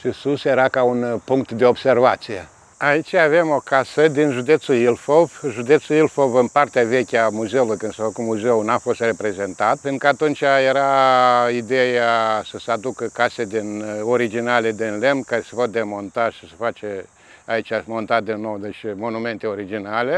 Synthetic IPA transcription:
ʃisusjeɾakaunpuŋk̚t̪d̪e̞obse̞rvat̪sije | ait͡ʃʲave̞mo̞kasəd̪inʒud̪e̞t̪suilfovʒud̪e̞t̪suilfovɨnpart̪eave̞kʲamuze̞ulujkɨnd̪safəkumuzeunafo̞st̪re̞pɾe̞ze̞nt̪at̪̚penɾukəat̪unt͡ʃʲajeɾaid̪e̞jasəsəad̪ukəkased̪inoɾid͡ʒinale̞d̪inle̞mnkaɾesə̥vot̪̚d̪e̞mo̞nt̪aʃi̥sə̥fat͡ʃe | ait͡ʃʲamo̞nt̪ad̪inːo̞wd̪e̞t͡ʃʲmo̞nume̞nt̪eo̞ɾid͡ʒinale

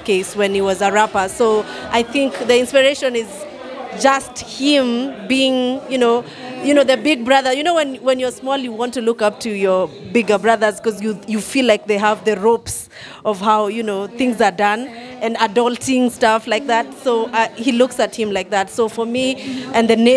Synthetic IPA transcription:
kʰeɪswɨ̃niwʌzəɹapə˞soʊʔaɪθɪ̃ŋkðɨɪ̃nspəɹeɪʃɨ̃nɪz | d͡ʒʌsthɪ̃mbiɪ̃ŋjɨnoʊ | jɨnoʊðɨbɪɡ̚bɹʌðə˞jɨñoʊwɨ̃nwɨ̃njəsmɔlˠjɨwɑ̃ntɨlʊkʌp̚tʰɨjə˞ | bɪɡə˞bɹʌðə˞z̥kʌzjɨjɨfilaɪk̚ðeɪɦəvðɨɹoʊps | ʔʌv̥haʊjɨnoʊθɪ̃ŋzə˞dʌ̃n | ɨ̃nədʌlˠtɪ̃ŋstʌflaɪk̚ðætsoʊahilʊksɨt̚hɨ̃mlaɪk̚ðætsoʊfə˞miʔɨ̃nðɨne

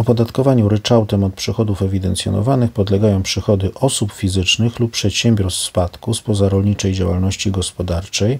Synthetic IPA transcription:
ɔpɔd̪at̪kɔvaɲuɾɘt͡ʂawt̪ɛmɔt̪̚pʂɘxɔd̪ufɛvʲid̪ɛnt̪sʲjɔ̰nɔ̰vanɘxpɔd̪lɛɡajɔ̃w̃pʂɘxɔd̪ɘʔɔsupfʲizɘt͡ʂnɘxluppːʂɛt̪ɕɛmbʲjɔɾsfspat̪kuspɔzaɾɔlɲit͡ʂɛjd͡ʑawa̰lnɔɕt͡ɕiɡɔspɔd̪aɾt͡ʂɛj

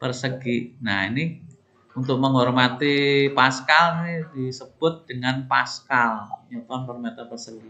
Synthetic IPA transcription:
pərsəɡ̥iʔna̰inɪ | unt̪ʊk̚məŋɦɔrmat̪ipaskalinidisəb̥ʊt̪̚d̥əŋanpaskalɲɔt̪ɔnpərmet̪apərsəɡi

